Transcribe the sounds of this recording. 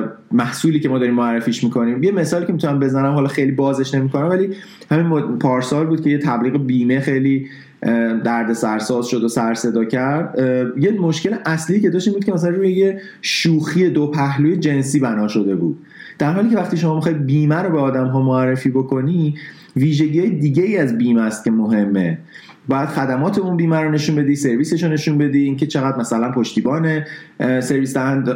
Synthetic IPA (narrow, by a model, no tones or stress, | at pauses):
mæhsuːliːcemɒːd̪ɒɾiːmoærːefiːʃmiːkʰo̞niːmjeme̞sɒːliːcʰemit̪ʰunæmbe̞zænæmhɒːlɒxejlibɒːze̞ʃne̞mikʰonæmvæliː | hæminopʰɒːɾsɒːlbuːd̪̚cʰe̞jet̪ʰæbliːɣebiːmexejliː | d̪æɾd̪e̞sæɾsɒːzʃo̞d̪osæɾse̞d̪ɒːcʰæɾd̪jemo̞ʃce̞leʔæsliːcʰe̞d̪ɒːʃt̪iːmbud̪̚cʰemæs̬ælænruːjeje | ʃuːxied̪opʰæhluːjed͡ʒe̞nsiːbænɒːʃo̞d̪e̞bṵːd̪̥̚ | d̪̥æɾɦɒːliːcʰeæxt̪iʃo̞mɒːmixɒjd̪̚biːmæɾobeɒːd̪æmɦɒːmoærːe̞fiːbo̞kʰo̞ni | viːʒe̞ɟiːhɒːjed̪iːɟeiːæzbiːmæst̪̚cʰʲe̞moɦe̞mːḛ | bɒːjæd̪̥xæd̪æmɒːt̪ʰe̞unbiːmæɾone̞ʃunbe̞d̪ise̞ɾviːse̞ʃone̞ʃunbe̞d̪idiːŋcʰe̞t͡ʃʰe̞ɣæd̪mæsælænpʰoʃt̪iːbɒːnese̞ɾviːsæænd̪